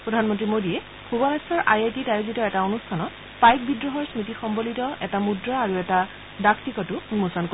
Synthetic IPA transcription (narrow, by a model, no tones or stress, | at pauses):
pɹɔdʱanmɔntɹimodiɛ | bʰʱubɔnasɔɹʔajetitajuzitɔɛtaonustʰanɔt | pajk̚bidɹɔɦɔɹsmitixɔmbolitɔɛtamudɹaːɹuɛta | dakʰtikɔtumusɔnko